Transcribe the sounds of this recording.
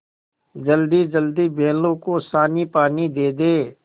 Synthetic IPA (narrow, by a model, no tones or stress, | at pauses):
d͡ʒɐld̪id͡ʒɐld̪ibʱeːlõkosaːnipaːnid̪eːd̪eː